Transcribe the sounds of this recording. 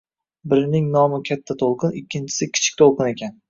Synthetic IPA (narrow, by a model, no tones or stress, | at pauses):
bɪɾnɪŋnɒmɪkʲʰat̪ʰːat̪ʰolˠqɨnɪkʲːɪnt͡ʃʰɪ̥sɪkʲʰɪ̥t͡ʃʰɪ̥k̚ʲt̪ʰolˠqɨne̞kʲʰan